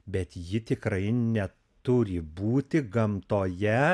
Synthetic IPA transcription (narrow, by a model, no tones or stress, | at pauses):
bʲɛt̪jɪt̪ʲɪkɾɐɪnʲɛ | t̪ʊɾʲɪbuːt̪ʲɪɡɐmt̪oːjɛ